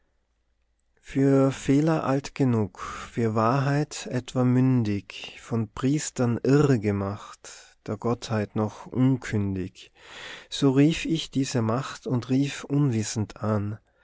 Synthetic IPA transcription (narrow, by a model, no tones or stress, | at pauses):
fyːɐfeːlɐʔa̰ltɡ̥ənuːkfyːɐvaːɐɦaɪtʔɛtv̥amʏndɪçfɔnpʁ̥iːstɐnʔɪʁəɡəmaχtd̥eːɐɡ̥ɔthaɪtnɔχʔʊnkʰʏndɪç | z̥oːʁiːfɪçd̥iːzəmaχtʊntʁiːfʔʊnvɪsn̩tʰʔan